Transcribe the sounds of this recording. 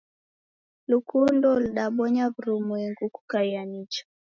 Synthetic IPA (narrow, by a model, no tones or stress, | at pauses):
lukundɔlɗaɓɔɲavuɾumwɛŋɡuku̥kaianit͡ʃɔ̥